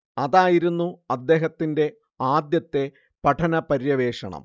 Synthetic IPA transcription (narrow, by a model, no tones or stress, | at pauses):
ɐðaːjiɾunːuɐd̪ːe̞ːɦɐt̪ːinde̞ | aːd̪jɐt̪ːe̞ | pɐʈʰɐnɐpɐɾjɐʋe̞ːʂɐ̰ɳɐ̰m